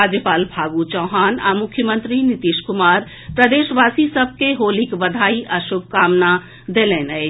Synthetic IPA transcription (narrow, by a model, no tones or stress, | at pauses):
aːd͡ʒjəpaːlbʱaːɡut͡ʃɔːɦaːna̰mʊkʰjəmə̃nt̪ɾinɪt̪iʃkʊmaːɾ | pɾəd̪eːʃʋaːsisəb̚ʱkeɦoːlikʋəd̪ʱaːiʔɐʃoːk̚kaːmna | d̪eːlenə